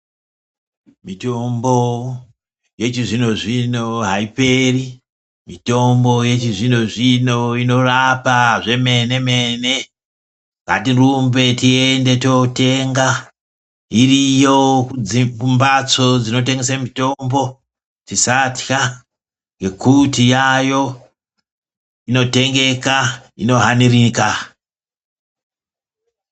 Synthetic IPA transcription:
mitombo | je̞t͡ʃiʐino̞ʐino̞ɦaipe̞ri | mito̞mbo̞je̞t͡ʃiʐino̞ʐino̞ino̞rapaʐe̞me̞ne̞me̞ne̞ | ŋɡa̰tirumbe̞tiende̞tote̞ŋɡa | irijoikumbat͡so̞d͡zino̞t̬e̞ŋɡesamito̞mbo̞ | tisatka | ŋɡe̞kutijajo̞ | ino̞te̞ŋɡe̞kaḭno̞ɦanirika

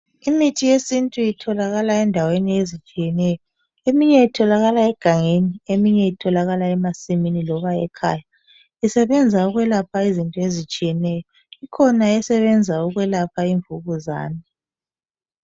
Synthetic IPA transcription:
imitʰijesintʼujitʰɔlaɣalaɛndʱaweniezit͡ʃʼijɛnɛjɔ | emiɲɛitʰɔlaɣalaɛɡ̥ʱaŋeniemiɲɛitʰɔlaɣalaɛmasiminilɔβaɛ̰kʰaːja | isɛβɛnd͡zʱauɣwɛlapʰaizintʼɔezit͡ʃʼijɛnɛjɔ | ikʰɔnaɛsɛβɛnd͡zʱauɣwɛlapʰaiɱvuɣuza̰ːni

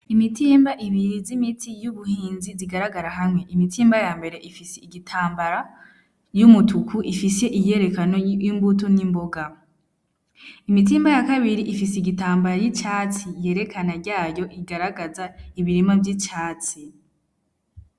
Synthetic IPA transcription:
imitʰiːmbaʔiβiɾizimitʰijuβuhiːnziziɡaɾaɡaɾaɦamŋe̞ʔimitiːmbajaːmbe̞ɾe̞ʔifiseiɡitʰaːmbaɾa | jumutukuʔifise̞ʔije̞ɾe̞kano̞jimbutonimbo̞ɡa | imitiːmbajakaβiɾiʔifis̬eiɡitaːmbaɾajit͡ʃaːt͡sije̞ːɾe̞kʰanaɾɟaːjo̞ʔiɡaɾaɡazaiβiɾimavɟit͡ʃaːt͡si

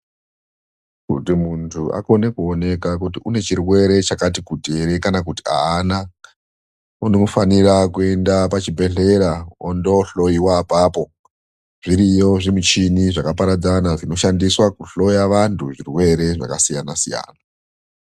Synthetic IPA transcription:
kṵtimuntʰuʔa̰ko̞ne̞kuone̞kak̬utiʔune̞t͡ʃirwe̞ɾe̞t͡ʃakat̬ikudʱe̞ɾe̞kanakuti̥a̰ana | unoufanirakue̞ndapat͡ʃibʱe̞ɬe̞ɾaondo̞ɬo̞iwapapo̞ | ʐ̥iɾijo̞ʐimut͡ʃiniʐakapaɾad͡zanaʐino̞ʃandiswakuɬo̞jaʋantʰuʐirwe̞ɾe̞ʐa̰kasijanasija̰ːna

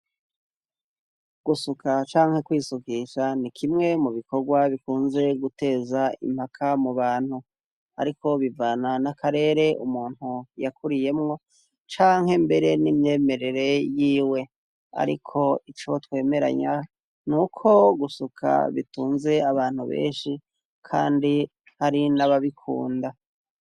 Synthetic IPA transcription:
ɡ̥usukʰat͡ʃaːŋhe̞kwiːsukiʃanikʰimŋe̞muβikʰo̞ɡwaβikuːnze̞ɡute̞ːzaḭm̥hakʰamuβaːn̥hu | a̰ɾikʰo̞βivananakʰaɾe̞ːɾe̞ʔumuːn̥hujakʰuɾije̞mŋo̞ | t͡ʃaːŋ̥ɦe̞mbe̞ɾe̞nimɲe̞ːme̞ɾe̞ɾe̞jiːwe̞ | a̰ɾḭkʰo̞it͡ʃotwe̞ːme̞ɾa̰ɲa | nukʰo̞ɡusukʰa̰βḭtuːnze̞aβaːn̥huβḛːnʃi | kʰa̰ːndi | haɾinaβaβikʰṵːnda

